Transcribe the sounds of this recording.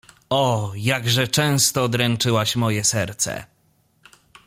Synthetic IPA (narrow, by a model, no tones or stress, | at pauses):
ɔjaɡʐɛt͡ʂɛ̃w̃st̪ɔd̪ɾɛnt͡ʂɘwaɕmɔjɛsɛɾt̪sɛ̰